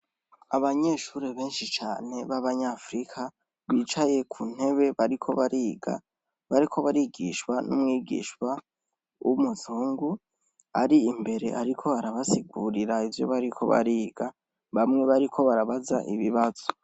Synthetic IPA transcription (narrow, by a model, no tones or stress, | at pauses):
aβaɲe̞ːʃuːɾeβe̞ːnʃit͡ʃaːne̞βaβaɲaːfɾikʰa | βiːt͡ʃaje̞kʰun̥e̞βe̞βaɾikʰo̞βaɾiːɡa̰ | βaɾikʰo̞βaɾiɡiːʃwanumŋiːɡḭːʃwa | umuzuːŋɡu | a̰ɾiːmbe̞ɾe̞̰ʔaɾikʰo̞βaɾaβasiɡuɾiɾaivjo̞̰βaɾikʰo̞̰βa̰ɾiːɡa | βamŋe̞βaɾikʰo̞βaɾaβaza̰ʔiβiβaz̥o̥